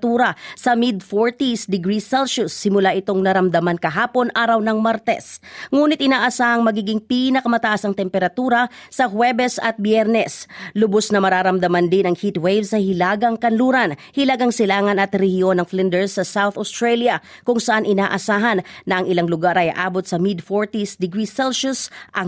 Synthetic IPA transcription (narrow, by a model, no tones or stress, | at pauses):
t̪uːɾɐsɐmɪd̪foɹt̪isd̪ɪɡɾisɛlʃʊsːɪmʊlaʔɪt̪o̞ŋnɐɾɐmd̪ɐmankɐɦaːpo̞nʔaːɾɐwnɐŋmaɾt̪ɛ̰sŋuːnɪt̪̚ʔɪnaːʔɐsaːhɐŋmɐɡiːɡɪŋpinɐkɐmɐt̪ɐʔasɐŋt̪ɛmpɛɾɐt̪uːɾɐsɐhwɛbɛsɐt̪̚bjɛɾnɛslʊbosnɐmɐɾaːɾɐmd̪ɐmand̪ɪnɐŋhit̪wejvsɐhɪlaːɡɐŋkɐnluːɾɐnhɪlaːɡɐŋsɪlaːŋɐnɐt̪ɾɛhio̞nːɐŋflɪnd̪ɛɹsːɐsawθost̪ɹaljɐ | kʊŋsɐʔanʔɪnaːʔɐsaːɦɐnnɐʔːŋʔɪlaŋlʊɡaɾʔɐj̰ʔa̰ːbot̪̚sɐmid̪̚foɹt̪isd̪ɪɡɾisɛlʃʊsʔɐ